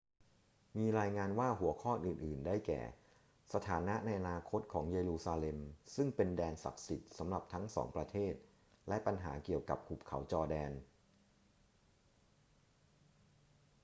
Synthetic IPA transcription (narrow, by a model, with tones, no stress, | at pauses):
miː˧ɾaː˧jŋaː˧nwaː˥˩ɦu˨˩˦ɐkʰɔː˥˩ʔɯː˨˩nʔɯː˨˩ndaː˥˩jkɛ̰ː˨˩ | sa˧t̪ʰaː˩˦na˦˥ʔna˧jʔa˧naː˧kʰo˦˥t̪̚kʰɔː˩˦ŋjeː˧ɾuː˧saː˧le˧msɯ˥˩ŋpe˧ndɛː˧nsa̰˨˩k̚si˨˩t̪̚sa˩˦mɾa˨˩p̚t̪ʰa˦˥ŋsɔ̰ː˩˦ŋpɾa˧t̪ʰeː˥˩t̪̚ | lɛ˦˥pa˧nɦa̰ː˩˦ki˨˩əwka̰˨˩p̚kʰu˨˩p̚kʰa̰˩˦wt͡ɕɔː˧dɛː˧n